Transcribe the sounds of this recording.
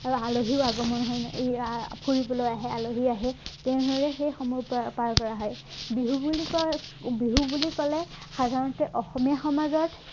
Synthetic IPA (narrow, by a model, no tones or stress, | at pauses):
aloɦiʊaɡɔmɔnɦɔj | pʰuɹibɔlojaɦɛaloɦiaɦɛtɛʊ̃noɹɛxejxɔmɔpaɹkɔɹaɦɔjbiɦubulikɔbiɦubulikɔlɛ | xadʱaɹɔntɛʔɔxɔmijaxɔmazɔt